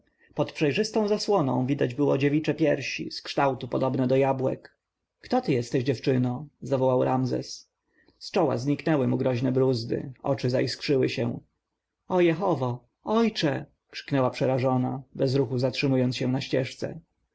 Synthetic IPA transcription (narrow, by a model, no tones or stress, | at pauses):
pɔt̪pʂɛjʐɘst̪ɔ̃w̃zaswɔnɔ̰̃w̃vʲid̪ad͡ʑbɘwɔd͡ʑevʲit͡ʂɛpʲjɛɾɕḭskʂt̪awt̪upɔd̪ɔbnɛd̪ɔjabwɛ̰kː | t̪ɔt̪ɘjɛst̪ɛʑd͡ʑɛft͡ʂɘnɔ̃zavɔwawɾamzɛ̰s | st͡ʂɔwa̰zɲiknɛwɘmuɡɾɔʑnɛbɾuzd̪ɘ̰ɔ̰t͡ʂɘzaiskʂɘwɘɕɛ̰̃ | ɔjɛxɔvɔ | ɔjt͡ʂɛ | kʂɘ̥knɛwapʂɛɾaʐɔnabɛzɾuxuzatʂɘmujɔnsɕɛ̃naɕt͡ɕɛʂt̪sɛ̰